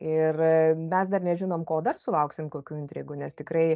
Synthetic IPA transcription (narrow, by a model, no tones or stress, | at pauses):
ɪrmʲɛsd̪ɐrnʲɛʒʲɪnoːmkoːd̪ɐrsʊlˠɐʊksʲɪmkoːkʲuːɪnʲt̪ʲɾʲiɡuːnʲɛst̪ʲɪkɾɐɪ